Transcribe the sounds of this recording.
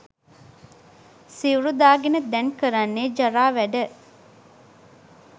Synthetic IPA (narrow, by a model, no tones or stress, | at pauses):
siuɾud̪aːɡenəd̪ɛnkəɾanːeːd͡ʒaɾaːʋæɖə